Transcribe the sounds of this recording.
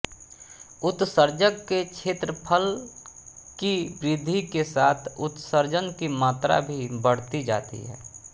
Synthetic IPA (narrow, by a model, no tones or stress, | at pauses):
ʊt̪səɾd͡ʒəɡket͡ʃʰeːt̪ɾəpʰəl | kibɾɪd̪ʱikesaːt̪ʰʊt̪səɾd͡ʒənkimaːt̪ɾa̰bʱibəɽ̤t̪id͡ʒa̰ːt̪ḭɦɛ̰ː